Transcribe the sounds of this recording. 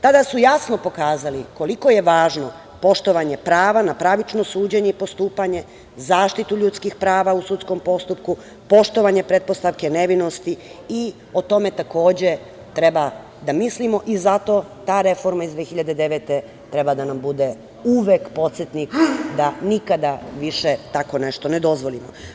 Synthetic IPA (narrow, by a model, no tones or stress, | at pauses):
t̪ad̪asujasno̞po̞kaːzaliko̞liko̞je̞ʋaːʒno̞ | po̞ʃt̪o̞ʋaɲe̞pɾaːʋanapɾaʋit͡ʃno̞suːd͡ʑeɲeipo̞st̪uːpaɲe̞ | zaːʃt̪it̪uʎut̪skixpɾaːʋausut̪sko̞mpo̞st̪up̚ku | po̞ʃt̪oʋaɲe̞pɾet̪̚po̞st̪aʋke̞ne̞ʋino̞st̪ii | o̞t̪o̞me̞t̪ako̞ːd͡ʑe̞ | t̪ɾe̞ba | d̪amislimo̞ʔizat̪o̞ | t̪aːɾe̞fo̞ɾmaizʋeːxiʎad̪ed̪e̞ʋet̪e̞ | t̪ɾe̞bad̪anambud̪e̞ | uʋekpo̞t̪set̪nikd̪anikad̪aʋiʃet̪ako̞ne̞ʃt̪o̞ned̪o̞zʋo̞lˠimo̞̰